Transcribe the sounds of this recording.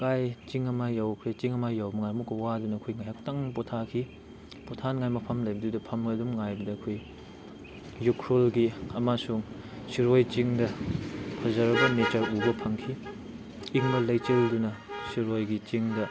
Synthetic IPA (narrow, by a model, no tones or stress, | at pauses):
kajt͡ʃiŋɐmajːawkʰet͡ʃiŋɐmajːawmɐŋajmukːɐwadunɐːkʰojŋajɦak̚taŋpotʰakʰi | potʰanŋajmɐpʰɐmlɐjbɐdudɐpʰɐmɐdumŋajbɐdɐːkʰoj | jukʰɾolɡiɐmasuŋ | siɾojt͡ʃiŋdɐpʰɐzɐɾɐbɐmetɐɾubɐpʰɐŋkʰiː | ŋnɐlɐjt͡ʃeldunɐsiɾojɡit͡ʃiŋdɐ